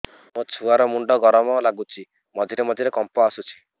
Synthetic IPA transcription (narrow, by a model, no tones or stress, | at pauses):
mõt͡ʃʰuaɾɔmuɳɖɔɡɔɾɔmɔlaɡut͡ʃʰi | mɔd̪ʱiɾemɔd̪ʱiɾekɔmpɔasut͡ʃʰi̥